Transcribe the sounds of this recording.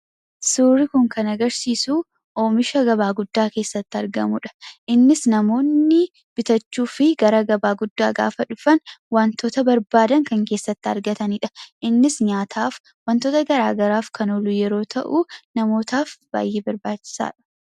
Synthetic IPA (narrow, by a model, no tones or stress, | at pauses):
suːɾɪkʊŋkɐnɐɡɐɾsiːsu | ʔoːmɪʃɐɡɐbaːɡʊd̪ːaːke̞ːsːɐt̪ːɪɐ̰ɾɡɐ̰mʊᶑɐ̥ʔɪnːɪsnɐmo̞ːnːɪ | b̥ɪt̪ɐt͡ʃːuːfɪɡɐɾɐɡɐbaːɡʊd̪ːaːɡa̰ːfɐᶑʊfɐnwɐnt̪oːt̪ɐbɐɾbaːd̪ɐŋkɐŋke̞ːsːɐt̪ːɪɐ̰ɾɡɐt̪ɐniːᶑɐ̥ʔɪnːɪsɲaːt̪ʰaːf | wɐnt̪oːt̪ɐɡɐɾa̰ːɡɐɾaːfkʰɐnoːlujɛɾo̞ːt̪ʰɐʔuːnɐmo̞ːt̪aːfb̥a̰ːjːeːbɐɾbaːt͡ʃːɪ̥sa̰ːᶑɐ̥